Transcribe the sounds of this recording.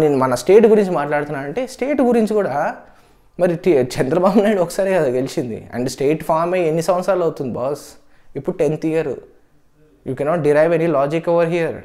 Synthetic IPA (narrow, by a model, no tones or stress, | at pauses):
ne̞ːnumɐnɐsʈe̞ːʈɡuɾiɲt͡ʃimaːʈlaːɽut̪unːaːɾɐɳʈe̞ːsʈeːʈɡuɾiɲt͡ʃikuːɽaː | mɐɾiʈit͡ʃɛnd̪ɾɐbaːbunajɽuɔkːɐ̥saːɾiɡɐd̪uɡelit͡ʃind̪ḭɐ̰ɳɖsʈeːʈpʰaːɾmeɐjenːisɐ̃mɐssɾaːlɐwt̪und̪ibɔːs | ipːuɽuʈent̪ijɐɾ̰ | juːkɛnɔːʈ̚ɖiɾajʋenilaːd͡ʒikɔʋɐɾɦijɐɾ